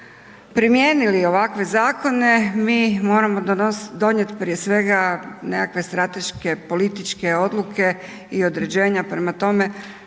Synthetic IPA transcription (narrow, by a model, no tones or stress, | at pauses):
pɾimje̞ːnilio̞ʋakʋe̞zaːko̞ne̞miːmo̞ːɾamo̞d̪o̞ɲe̞t̪pɾiesʋe̞ɡane̞kakʋe̞st̪ɾat̪e̞ʃke̞po̞lit̪it͡ʃke̞o̞d̪lukʰe̞ | io̞d̪ɾe̞d͡ʑe̞ːɲapɾe̞mat̪o̞me̞